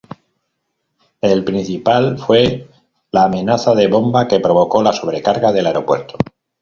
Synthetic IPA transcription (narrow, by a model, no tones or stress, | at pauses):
elpɾin̟θipalfwe̞ | laːmẽ̞naθaðe̞βo̞mbake̞pɾo̞β̞o̞ko̞laso̞β̞ɾekaɾɣaðe̞laeɾo̞pwe̞ɾt̪o